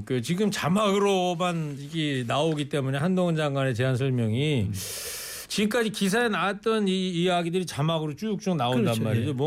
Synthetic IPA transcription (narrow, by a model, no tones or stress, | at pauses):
kɯt͡ɕiɡɯmt͡ɕamaɡɯɾomaniɡinaoɡit͈e̞mune̞handoŋɯnd͡ʑaŋɡwane̞t͡ɕe̞ɦansʰʌɭmjʌŋi | t͡ɕiɡɯk͈ad͡ʑikis̬ʰaenaat͈ʌniːaɡidɯɾit͡ɕamaɡɯɾot͡ɕ͈ujuk̚t͡ɕ͈oŋnaondanmaɾid͡ʑom